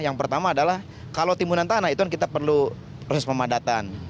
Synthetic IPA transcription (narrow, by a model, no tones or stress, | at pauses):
jaŋpərt̪amaːdalah | kalowt̪imbunant̪anait̪ukankit̪apərlu | pɾosɛspəmadat̪an